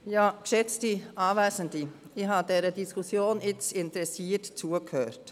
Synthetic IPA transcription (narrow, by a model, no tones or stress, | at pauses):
jɑːkʃɛt͡stiɑːvæːsəndi | iːɦɑdɛːɾədiskʰusjoːnɪt͡sɪntəɾɛsiːətt͡suəkhøːt